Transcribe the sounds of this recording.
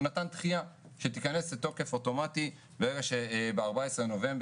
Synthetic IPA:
natant̪χija | ʃet̪ikane̞slet̪o̞ke̞fo̞to̞mati | beʁeɡaʃebeaʁbaesʁeno̞ve̞mb

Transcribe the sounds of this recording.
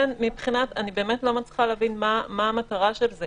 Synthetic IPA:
nmipχinatanibeːmetlo̞mat͡sχaleavinmamaːmataʁaʃelze

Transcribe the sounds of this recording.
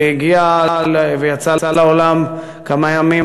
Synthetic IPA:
jiɡialvejat͡saalaolam | kamajami

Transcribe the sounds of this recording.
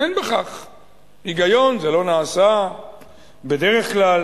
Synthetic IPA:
enbeχaχ | iɡajo̞nzelo̞naːsa | be̞d̪eʁe̞χklal

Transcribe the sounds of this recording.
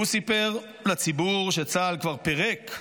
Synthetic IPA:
usipeʁ | lat͡sibuʁʃet͡salkvaʁpeʁek

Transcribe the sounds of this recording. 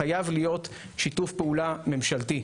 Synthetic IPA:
ajavlijo̞t | ʃitufpeulame̞mʃalti

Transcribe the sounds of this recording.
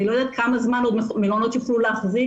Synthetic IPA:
nilod̪at̪̚kamazmanod̪mmelonot̪joχlulaːχzi

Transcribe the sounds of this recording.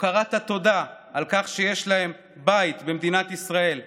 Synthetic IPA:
kaʁat̪at̪o̞d̪aʔalkaχʃeje̞ʃlahe̞m | bajit̪bemd̪inat̪isʁae̞l

